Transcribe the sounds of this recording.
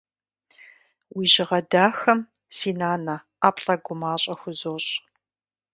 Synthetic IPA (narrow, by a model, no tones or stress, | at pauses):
wiːʑɪʁɐdaːxɐm | siːnaːnɐ | aːpʼɬʼɐɡʷʊmaːɕʼɐxʷʊzoːɕʼ